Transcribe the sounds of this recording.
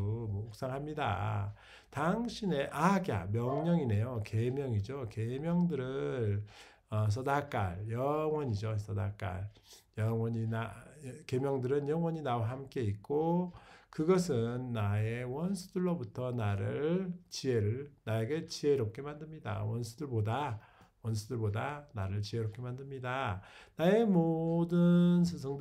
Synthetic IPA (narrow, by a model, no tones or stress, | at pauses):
mʌok̚s͈aŋɦamɲida̰ | taŋɕʰine̞ʔaɡa̰mjʌŋɲʌŋine̞joke̞mjʌŋid͡ʑoke̞mjʌŋdɯɾɯn | ʌs̬ʰʌdak͈a̰ɭjʌŋwʌɲid͡ʑos͈ʰʌdak͈a̰ɭjʌŋwʌɲinake̞mjʌŋdɯɾɯnjʌŋwʌɲinawaɦamk͈e̞ik̚k͈okɯɡʌsʰɯnːae̞wʌnsʰudɯɭːobutʰʌnaɾɯɭt͡ɕie̞ɾɯɭnaeɡe̞t͡ɕie̞ɾop̚k͈e̞mandɯmɲida̰wʌnsʰudɯɭboda | wʌnsʰudɯɭbodanaɾɯɭt͡ɕieɾop̚k͈e̞mandɯmɲidanae̞modɯnsʰes̬ʰʌŋ